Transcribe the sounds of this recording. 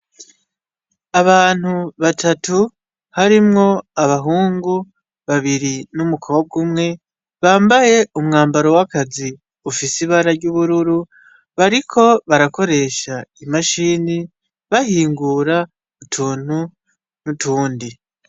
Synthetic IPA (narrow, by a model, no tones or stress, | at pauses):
aβaːn̥huβatatu | haɾimŋo̞aβaɦuːŋɡu | βaβiɾinumukʰoob̚ɡumŋe̞ | βaːmbaje̞umŋaːmbaɾo̞wakazi | ufisiβaɾaɾɟuβuɾuɾu | βaɾikʰo̞βaɾako̞ɾe̞ʃaimaʃiːni | βahiːŋɡuːɾa | utʰuːn̥hu | nutuːndi